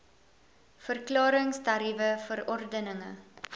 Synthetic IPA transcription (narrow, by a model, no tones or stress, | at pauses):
fərklɑːɾəŋstɐɾivəfəɾɔrdənəŋə̰